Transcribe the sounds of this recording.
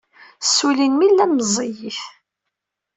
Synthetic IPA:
sːulinmilːænmzˤijif

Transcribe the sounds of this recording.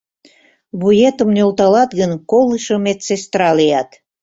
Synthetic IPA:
βujet̪ə̆mneolt̪ɑlɑt̪ɣənkolɨʃomet̪t͡sest̪ɾɑlijɑt̪

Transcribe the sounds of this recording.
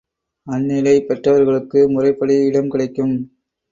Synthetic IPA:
ɐnːɪlɐɪpɛʈrɐʋɐɾɣɐɭɯkːɯmʊrɐɪpːɐɽiɪɽɐmkɪɽɐɪkːɯm

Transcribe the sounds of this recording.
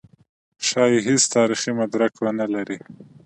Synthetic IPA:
ʃɑjeɦest̪ɑɾiximad̪ɾakwanalaɾi

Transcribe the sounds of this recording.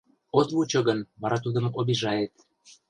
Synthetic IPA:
ot̪βut͡ɕŏɡənβɑɾɑt̪ud̪ə̆moβiʒɑjet̪

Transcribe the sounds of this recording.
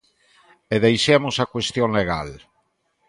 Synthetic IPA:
eðejʃemosakwest̪jõŋleɣa̰l

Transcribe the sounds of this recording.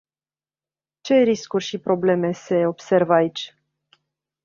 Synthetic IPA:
t͡ʃe̞ɾiskurʲʃipɾo̞ble̞me̞se̞o̞bse̞rvait͡ʃʲ

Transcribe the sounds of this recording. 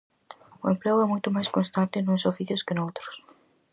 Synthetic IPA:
ʊẽmpleʊɛmojt̪ʊmajskonst̪ant̪ɪnũsofiθjʊskɪnowt̪ɾʊs

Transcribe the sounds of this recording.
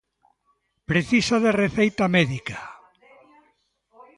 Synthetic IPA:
pɾeθisaðereθejt̪amɛðika

